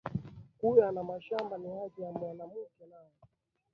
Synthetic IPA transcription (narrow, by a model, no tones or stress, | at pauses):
kujanamaʃambaniaʄiamwanamukɛnaɔ